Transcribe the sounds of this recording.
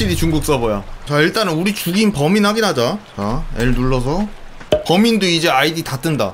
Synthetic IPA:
iɾit͡ɕuŋɡuk̚s͈ʌbojat͡ɕaiɭt͈anɯnuɾit͡ɕuɡinpʌminɦaɡinɦad͡ʑat͡ɕaeɭnuɭːʌs̬ʰʌ | pʌminduid͡ʑe̞aiditat͈ʰɯnda̰

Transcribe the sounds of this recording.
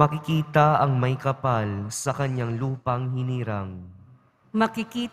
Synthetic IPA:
mɐkɪkiːt̪ɐɐŋmɐjkɐpalsɐkɐɲaŋluːpɐŋhɪniːɾɐŋ | mɐkɪkiː

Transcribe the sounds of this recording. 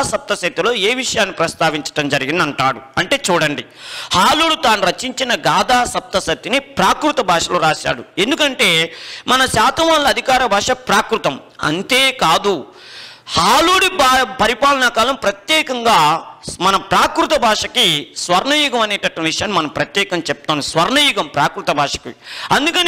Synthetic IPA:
sɐp̚t̪ɐsɐt̪ːilo̞ːeːʋiʂɐjaːnːipɾɐst̪aːʋiɲt͡ʃɐ̥ʈɐmd͡ʒɐɾiɡind̪ɐɳʈa̰ːɽuɐɳʈe̞ːt͡ʃuːɽɐɳɖi | haːluːɽit̪aːniɾɐt͡ʃiɲt͡ʃinɐɡaːd̪aːsɐp̚t̪ɐsɐt̪ːinipɾaːkɾut̪ɐbʱaːʂɐloːɾaːʃa̰ːɽue̞nd̪ukɐɳʈe̞ːmɐnɐʃaːt̪ɐʋaːnlɐɐd̪ʱikaːɾɐbʱaːʂɐpɾaːkɾut̪ɐm | ɐ̰nt̪eːkaːd̪u | haːluːɽibpɐɾipaːlɐnɐkaːlɐmpɾɐt̪jɛːkɐŋɡaːmɐnɐpɾaːkɾut̪ɐbʱaːʂɐkisʋɐɾɳɐjuɡɐmɐneːʈɐʈːɐʋiʂɐjaːnːimɐnɐmpɾɐt̪jɛːkɐmt͡ʃɛp̚t̪aːnusʋɐɾɳɐjuɡɐmpɾaːkɾut̪ɐbʱaːʂɐ̥kḭɐnd̪ukɐni

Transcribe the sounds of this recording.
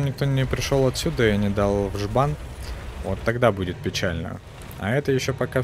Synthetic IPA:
nʲɪk̚t̪o̞nʲɪpɾʲɪʂolˠɐt̪sʲud̪əɪnʲɪd̪alˠvʐbanvot̪ːɐɡd̪abudʲɪt̪̚pʲɪt͡ɕælʲnə̰ | ɐ̰ɛt̪əjɪɕːopɐka

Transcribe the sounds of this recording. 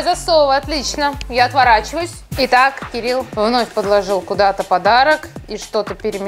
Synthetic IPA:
zɐslˠovəɐt̪lʲit͡ɕnəjaɐt̪vɐɾat͡ɕɪvəjʊsʲɪt̪akkʲɪɾʲilˠvno̞fʲpəd̪lˠɐʐɨlˠkʊd̪at̪əpɐd̪aɾəkiʂt̪o̞t̪əpʲɪɾʲɪmʲɪ

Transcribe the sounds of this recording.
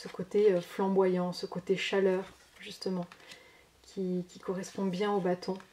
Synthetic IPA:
səkot̪eøflɑ̃bwajɑ̃səkot̪eʃalœːʁ | ʒyst̪əmɑ̃ | kʲʰikʲikɔʁɛspɔ̃bjɛ̃obat̪ʰɔ̃

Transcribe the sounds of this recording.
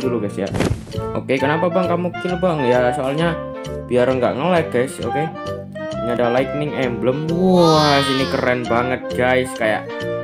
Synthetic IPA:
duluɡasja̰ | ʔo̰kekənapabaŋkamuk̚t̪ɪlbaŋjasoalɲa | b̥iaɾəŋɡa̰ʔŋəlɛkaso̰ke | ŋadalajk̪̚nɪŋɛmbləmwɔsinikəɾɛnbaŋət̪̚ɡaɪskaja̰ʔ

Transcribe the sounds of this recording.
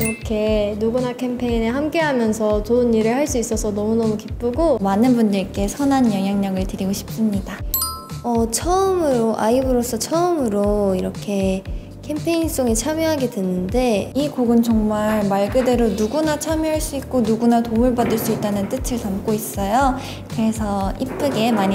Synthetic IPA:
iɾʌkʰe̞nuɡunakʰe̞mpʰe̞ineɦamk͈e̞ɦamjʌnsʰʌtoɯnːiɾɯɭhaɭs͈uis͈ʌsʰʌnʌmunʌmukip͈ɯɡomanɯnbundɯɭk͈e̞sʰʌnɦanjʌŋɦjaŋɲaɡɯɭtɯɾiɡoɕʰi̥p̚s͈ɯmɲida | ʌt͡ɕʰʌɯmɯɾoʔa̰ibɯɾos͈ʰʌt͡ɕʰʌɯmɯɾoiɾʌkʰe̞ | kʰe̞mpʰe̞ins͈oŋit͡ɕʰamjeɦaɡe̞dwenːɯnde̞ikoɡɯnt͡ɕʌŋmaɭmaɭɡɯde̞ɾonuɡunat͡ɕʰamjiɦaɭs͈uik̚k͈onuɡunatoɯɭbʌdɯɭs͈uit͈anɯnt͈ɯtʰɯɭtamk͈ois͈ʌjo | kɯɾe̞sʰʌip͈ɯɡe̞maɲi

